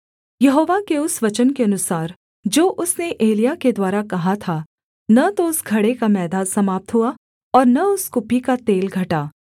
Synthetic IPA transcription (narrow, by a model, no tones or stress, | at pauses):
jɐɦoːʋakeʊsʋɐt͡ʃənkeɐnʊsaːɾ | d͡ʒoːʔʊsneʔeːlijaked̪waːɾakɐɦat̪ʰa | nɐt̪oʊsɡʱɐɽekamɛːd̪aːd̪sɐmaːp̚t̪ɦua | ɔːɾnɐʊskʊpikat̪eːlɡʱɐʈaː